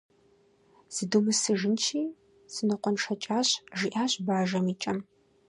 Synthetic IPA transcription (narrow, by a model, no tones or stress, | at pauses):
z̥ɨdumɨsɨʒɪnt͡ʃʰiː | sɨnɨqʷɔnʈ͡ʂʰɐt͡ʃʼaːɕʒiʔaːɕʼbaːʒɐmiːt͡ʃʼɐm